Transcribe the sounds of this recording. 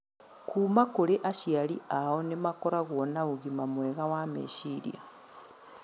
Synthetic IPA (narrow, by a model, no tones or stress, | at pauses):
kʰumakoleʔaʃialiaonemakoɾaɣonauɣimamweːɣawamḛʃiɾḭ